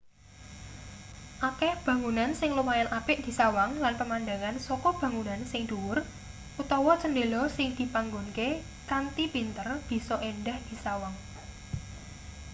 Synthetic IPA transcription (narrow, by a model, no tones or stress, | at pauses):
ʔakɛhb̥ä̤ŋunansɪŋlumajanʔab̥ɪʔ̚d̪̥i̤sawaŋlanpəmand̪aŋansɔkɔb̥ä̤ŋunansɪŋd̪̥uwʊr | ʔut̪ɔwɔt͡ʃənɖelɔsɪŋd̪̥i̤paŋɡonke | kant̪ipint̪ərb̥i̤sɔʔendahd̪̥i̤sawaŋ